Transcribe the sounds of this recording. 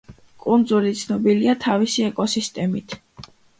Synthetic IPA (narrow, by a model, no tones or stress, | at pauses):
kʼund̪zulit̪sʰnɔbiliat̪ʰavisiɛkʼɔsist̪ʼɛmit̪ʰ